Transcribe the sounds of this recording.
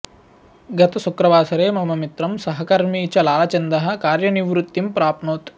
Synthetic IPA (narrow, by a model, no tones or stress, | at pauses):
ɡɐt̪ɐsukɾɐʋaːsɐɾeːmɐmɐmit̪ɾɐmsɐɦɐkɐɾmiːt͡ʃɐlaːlɐt͡ʃɐnd̪ɐɦɐ̆kaːɾjɐniʋɾut̪ːimpɾaːpnoːt̪